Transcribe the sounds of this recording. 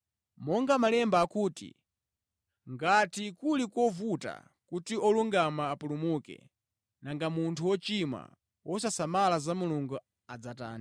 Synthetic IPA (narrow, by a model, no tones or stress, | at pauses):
mɔŋɡamalɛmbaːkuːtḭ | ŋɡatikulikɔvuta̰ | kutiɔluŋɡamaːpulumukɛ̰ | naŋɡamuntʰuwɔt͡ʃima̰ | wʔɔsasamalazamuluŋɡu | ad͡zata̰ːni